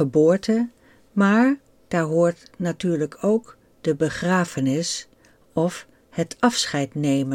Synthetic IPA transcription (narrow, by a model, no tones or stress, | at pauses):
əbʊːɹtə | maːɹ | d̥aːɹɦʊːɹtnatyːɹləkʰowk | d̥əbəχraːfənɪs | ɔf | hətʰɑfsχɛjtnejmə